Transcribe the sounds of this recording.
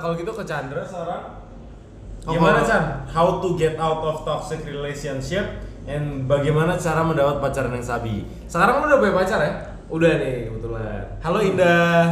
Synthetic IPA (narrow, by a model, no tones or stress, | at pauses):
kaloɡit̪ukət͡ʃandɾasəkaɾaŋ | ɔɡimanaanhawt̪uɡɛt̪awt̪ɔft̪ɔksɪkɾilesiɔnʃɪp̚ | ɛnbaɡajmanat͡ʃaɾaməndapat̪̚pat͡ʃaɾanjaŋsabḭ | səkaɾaŋanudaboɛpat͡ʃaɾja | udanɪkəbət̪ula̰haloinda